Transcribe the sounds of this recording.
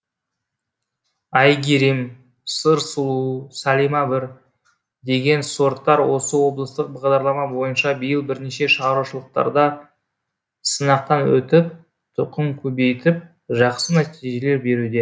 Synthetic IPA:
ɑjɡʲeɾim | səɾsulˠuusælijmɑbɪɾ | d̪e̞ɡʲe̞nso̞ɾt̪ːɑɾwo̞səwo̞blˠəst̪əq̚bɑʁd̪ɑɾlˠɑmɑbo̞jənʃɑbəjəlˠbɪɾneʃe̞ʃəʁɑɾuʃəlˠəq̚t̪ɑ̰ɾd̪ɑ | sənɑq̚t̪ɑnwɵ̰t̪ɪp̚ | t̪ʰʊqəmkʲʰɵbe̞jt̪ɪp̚ | ʒɑqsənæt̪iʒe̞le̞ɾbe̞ɾud̪e

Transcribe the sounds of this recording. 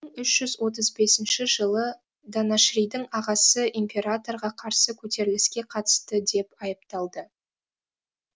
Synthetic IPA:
əɴʏʃʒ̥ʏzwo̞t̪̬əzbe̞sɪnʃɪʒəlˠə | d̪anaʃrijd̪ɪŋɑʁɑsəʔimpʲe̞ɾat̪o̞ɾʁɑqʰɑɾsəkʲʰɵt̪e̞ɾɪlɪskʲe̞qʰɑt̪ə̥st̪əd̪e̞pɑjəpt̪ɑlˠd̪ə

